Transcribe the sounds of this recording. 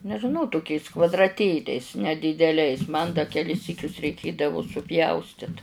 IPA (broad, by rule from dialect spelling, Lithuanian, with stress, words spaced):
nʲɛʒʲɪˈnɐʊ tʊˈkʲɛɪs kʋɐdrɐˈtʲeːlʲɛɪs nʲɛdʲiːdʲɛˈlʲɛɪs mɐn dɐ kʲɛˈlʲɪs ˈsʲiːkʲʊs rʲɛɪˈkʲeːdɐʋʊ sʊˈpʲjɛʊsʲtʲɪt